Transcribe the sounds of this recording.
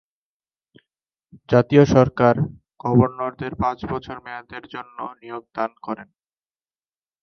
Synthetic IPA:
d͡ʑat̪ioʃɔɾkaɾ | ɡ̥ɔboɾnoɾd̪eɾpãt͡ɕbɔt͡ɕʰoɾmɛad̪eɾd͡ʑonːonijoɡ̚d̪ankɔɾen

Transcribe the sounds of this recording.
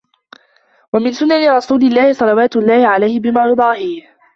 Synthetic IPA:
wamɪnsʊnːanɪɾˤɑsuːlɪlːaːhɪsˤɑlɑwaːt̪ʊlˤːɑːhɪʕalajhɪbɪmaːjʊd̪ˤɑːhiːh

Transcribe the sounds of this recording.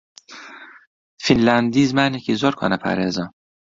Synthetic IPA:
finlænd̪iːzmænekʰizoɾkʰo̰nɛpʰæ̰ɾezɑ

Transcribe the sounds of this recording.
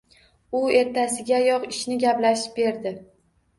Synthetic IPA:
ʊe̞ɾt̪ʰasɪɡʲajɒqɪʃnɪɡʲaplaʃɪ̥p̚be̞ɾd̪ɪ

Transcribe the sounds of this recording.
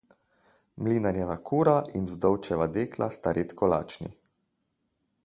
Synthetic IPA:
mliːnanjɛʋakʰuːɾaʔinvd̪ɔwt͡ʃɛʋad̪eːkla̰st̪aɾʔet̪kɔla̰ːt͡ʃnḭ

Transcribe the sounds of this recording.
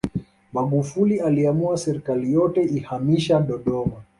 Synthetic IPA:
maɠufulialiamuasɛɾikalijɔtɛihamiʃaɗɔɗɔma

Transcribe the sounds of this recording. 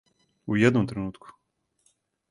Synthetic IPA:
ujɛd̪nɔmt̪ɾɛnut̪ku̥

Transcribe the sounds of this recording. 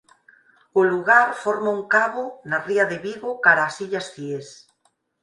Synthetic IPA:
ʊluɣaɾfoɾmauŋkaβonariaðeβiɣokaɾaːsiʎasfies

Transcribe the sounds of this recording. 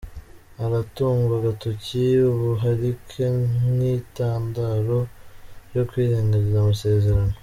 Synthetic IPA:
aɾatuːŋɡuɾaɡatociuβuɦaɾikʰenitaːndaɾo̞jo̞kwiːɾeːŋɡaɾizamuse̞ːze̞ɾano

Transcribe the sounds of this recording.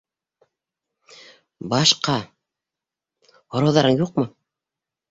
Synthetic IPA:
bɑʃqɑ | hŏɾɑwðɑɾɤɴjuq̚mɤ

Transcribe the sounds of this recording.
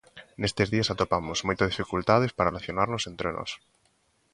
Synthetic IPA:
nest̪ezðiɐsat̪opamozmojt̪ɐzðifikult̪aðɪspaɾɐelaθjonaɾnosent̪ɾenɔ̰s

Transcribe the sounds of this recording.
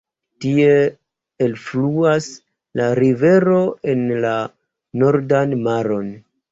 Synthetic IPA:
tie̞ː | lfluas | laɾive̞ɾo̞e̞nla | no̞ɾdanmaɾo̞n

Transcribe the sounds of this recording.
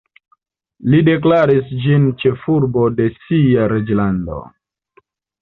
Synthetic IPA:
lide̞k̬laɾisd͡ʒint͡ʃe̞fuɾbo̞de̞siaɾed͡ʒlando̞̰

